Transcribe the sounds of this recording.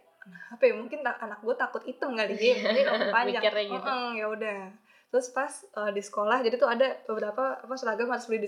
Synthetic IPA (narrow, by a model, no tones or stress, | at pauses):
kənahapajmuŋkɪnt̪aʔanak̚ɡuat̪akʊt̪it̪uŋɡaliɛilapaɲd͡ʒaŋʔəjaudah | t̪ɾʊspasədisə̥kolahd͡ʒadit̪uadabəbəɾapaːpasəlaɡamaɾʊsbəbɪhdi